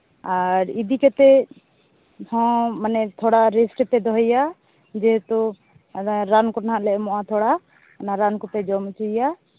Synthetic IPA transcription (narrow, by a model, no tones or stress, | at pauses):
aɾid̪ikɛt̪ɛ | hɔ̃manɛt̪ʰɔɽaɾɛsʈpɛd̪ɔɦɛja | d͡ʒɛɦt̪ɔ | ɾankɔnaɦãʔlɛʔmɔʔat̪ʰɔɽa | naɾankɔpɛd͡ʒɔmt͡ʃija